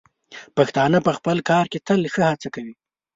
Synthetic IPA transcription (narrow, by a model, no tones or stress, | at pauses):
paxt̪ɑnəpəxpəlkɑɾket̪əlxəhat͡sakawi